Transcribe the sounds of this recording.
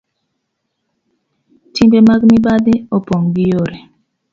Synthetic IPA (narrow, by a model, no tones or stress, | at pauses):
timbemaɡmibadɪɔpɔŋɡijoɾe